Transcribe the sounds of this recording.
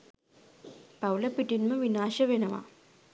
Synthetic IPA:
pɐwlɐpiʈinməʋinaːʃɐʋenɐʋa̰

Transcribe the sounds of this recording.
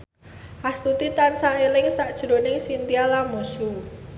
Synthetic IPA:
ʔast̪ut̪it̪ansaelɪŋsaʔd̥ʒ̥ɾo̤nɪŋsint̪ialamosu

